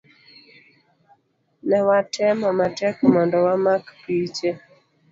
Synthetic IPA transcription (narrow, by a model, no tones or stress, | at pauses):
nɛwatʰɛmɔmatɛkɔmɔndɔwamakpit͡ʃɛ